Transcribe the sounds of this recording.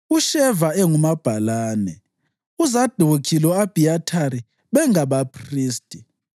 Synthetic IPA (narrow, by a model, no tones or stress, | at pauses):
uʃɛvaɛŋumab̥ʱalaːnɛ̰ | uzad̥ʱokʰilɔab̥ʱiatʰaɾi | βɛŋaβapʰriːstʼi̥